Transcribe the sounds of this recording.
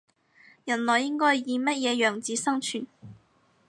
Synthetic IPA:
jɐ˨˩nlɔː˨jɪ˥ŋkɔː˥jjiː˨˧mɐ˥t̚jɛː˨˧jœː˨˩ŋt͡siː˨˧˥sɐ˥ŋt͡ʃʰyː˨˩n

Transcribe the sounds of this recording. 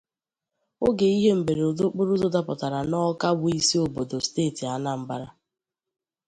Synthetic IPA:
o˦ɡe˨i˦ɦe˦m̩˨be˨ɾe˨do˦k͡pʊ˦ɾʊ˦dʊ˦da˦pɔ˨ta˨ɾa˨nɔ˦ka˦bʊ˦i˦si˦o˨bo˨do˨steː˦˨ti˨a˦na˦m̩˨ba˦ɾa˦

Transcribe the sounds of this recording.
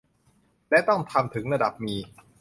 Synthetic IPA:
lɛ˦˥t̪ɔ˥˩ŋt̪ʰa˧mt̪ʰɯ˩˦ŋɾa˧da˨˩p̚miː˧

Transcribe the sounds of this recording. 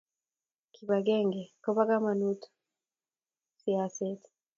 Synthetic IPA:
kʰi˨ba˨ɡɛ˦ŋɡɛ˨ko˦ba˦ɡa˦ma˨nu˦tʰu̥˨ | siaset

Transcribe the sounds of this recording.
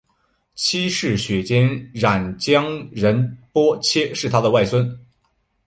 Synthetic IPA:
t͡ɕʰi˥ʂɻ̩˥˩ɕɥɛ˨˩t͡ɕjɛ˥nɻa˨˩nt͡ɕjɑ˥ŋɻə˧˥npwɔ˥t͡ɕʰjɛ˥ʂɻ̩˥˩t̪ʰa˥d̪ə˨wa˥˩ɪswə˥n

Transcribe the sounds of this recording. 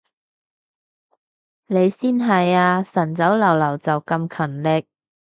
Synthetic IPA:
ne˨˧jsiː˥nɦɐ˨jaː˧sɐ˨˩nt͡sɐ˨˥wlɐ˨˩wlɐ˨˩wt͡sɐ˨wkɐ˧mkʰɐ˨˩nlɪ˨˧k̚

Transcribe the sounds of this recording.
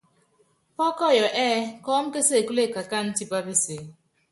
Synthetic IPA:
pɔ˦kɔ˦˨jɔ˨ʔɛː˦kɔː˦m̩˦ke˦se˦˨ku˦le˦˨ka˨ka˦n̩˦ti˦pa˦pi˦se˨

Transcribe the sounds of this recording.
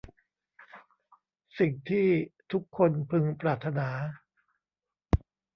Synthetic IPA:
si˨˩ŋt̪ʰiː˥˩t̪ʰu˦˥kʰːo˧npʰɯ˧ŋpɾaː˨˩t̪ʰːa˧naː˩˦

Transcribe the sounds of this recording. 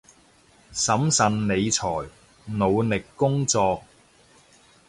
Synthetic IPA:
sɐ˨˥msɐ˨˧nne˨˧jt͡sʰɔː˨˩j | no˨˧wlɪ˨kːʊ˥ŋt͡sɔː˧k̚

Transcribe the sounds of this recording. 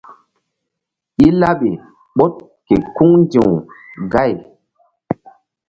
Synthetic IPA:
i˦la˦ɓe˨ | ɓo˦t̚ | ke˨ku˦ŋndĩ˨wɡa˦˨j

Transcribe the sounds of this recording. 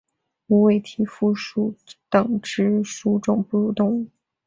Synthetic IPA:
u˧˥we˥˩ɪt̪ʰi˧˥fu˥˧ʂu˥˩t̪ɤ˨˩ŋʈ͡ʂɻ̩˥ʂu˥ʈ͡ʂʊ˨˩ŋpu˥˧ɻu˧˥t̪ʊ˥˩ŋ˥˩

